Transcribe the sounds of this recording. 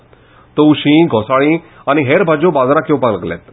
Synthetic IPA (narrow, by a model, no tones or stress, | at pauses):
t̪ouɕĩɡʱɔsaɭĩ | añiɦeɾbʱad͡ʑobad͡zɾakewpaləɡlɛ̰t̪